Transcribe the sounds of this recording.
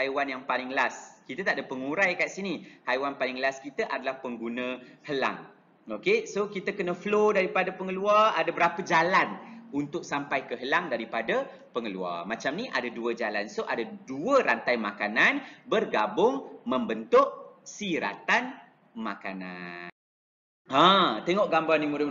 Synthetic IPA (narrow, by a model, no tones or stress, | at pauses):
hajwanjaŋpalɪŋlaskit̪ət̪aʔdəpəŋuɾajkaʔsinihajwanpalɪŋlaskit̪əʔadalahpəŋɡunə̃həla̰ŋ | okesokit̪əkənə̃flodaɾipadapəŋəluaradəbəɾapəd͡ʒalanunt̪ʊk̚sampajkəɦəlaŋdaɾipadə | pəŋəlṵa̰rmat͡ʃamnĩʔadaduəd͡ʒalansoʔadaduəɾant̪ajmakananbərɡabʊŋmə̃mbənt̪ʊʔ̚siɾa̰t̪an | maka̰na̰n | at̪eŋɔʔɡambanimuɾɪ